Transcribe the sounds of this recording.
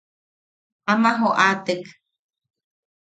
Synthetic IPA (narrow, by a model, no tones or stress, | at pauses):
amaɦoʔat̪ek